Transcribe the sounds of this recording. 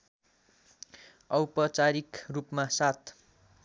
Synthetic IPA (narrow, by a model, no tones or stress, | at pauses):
ʌwpʌt͡saɾikrupmasat̪ʰ